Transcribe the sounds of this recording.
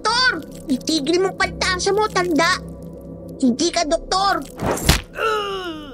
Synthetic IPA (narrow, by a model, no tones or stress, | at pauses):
t̪oɾ | ɪt̪iːɡɪnɪmoŋpɐnt̪aːŋsɐmot̪ɐnd̪aʔ | hɪŋd̪ikɐd̪ok̚t̪oɾ̩